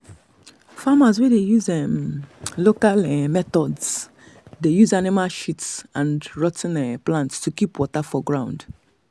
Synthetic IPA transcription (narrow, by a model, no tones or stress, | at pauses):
famazwɛdejuzɛmlokalɛmɛtɔdz | dejuzanimalʃitsãnɹɔtʰn̩ɛplãntstukipwɔtafɔɡɹãʊ̃nd̥